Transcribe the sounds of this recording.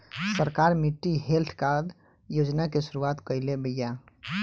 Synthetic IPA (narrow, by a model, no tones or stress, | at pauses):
səɾkaɾmiʈːiɦelʈʰkaɾd̪ | jod͡ʒnakesuɾuat̪kəjlebəja